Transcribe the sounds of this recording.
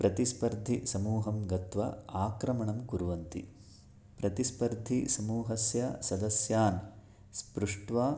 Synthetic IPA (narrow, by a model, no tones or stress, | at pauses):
pɾɐt̪ispɐɾd̪ʱisɐmuːɦɐmɡɐt̪ʋɐ̰aːkɾɐmɐɳɐmkuɾuʋɐnt̪ḭ | pɾɐt̪ispɐɾd̪ʱisɐmuːɦɐsjɐsɐd̪ɐsjaːn | spɾuʂʈʋaː